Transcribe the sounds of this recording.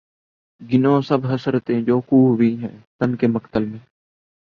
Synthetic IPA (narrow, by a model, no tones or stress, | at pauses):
ɡɪnõːsəbʱɦəsəɾt̪ẽːd͡ʒoːkuːɦʋiːɦɛ̃ːt̪ənkeːməkt̪əlmẽː